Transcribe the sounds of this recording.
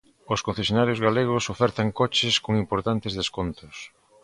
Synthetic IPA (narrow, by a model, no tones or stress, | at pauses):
oskon̟θesjonaɾjozɣaleɣ̞osofɛɾt̪aŋkot͡ʃeskoŋimpoɾt̪ant̪ezðeskont̪ʊs